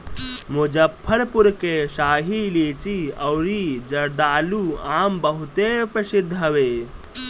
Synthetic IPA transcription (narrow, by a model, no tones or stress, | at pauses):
mod͡ʒəpʰːəɾpuɾkeʃaːɦileːt͡ʃiɐwɾid͡ʒɐɾd̪aːluaːmbəɦut̪epɾɐsid̪ʱːɦəʋe